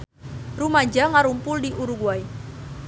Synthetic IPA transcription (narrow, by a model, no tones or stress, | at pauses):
rumaɲd͡ʒaŋaɾumpʊldiʔuɾuɡuai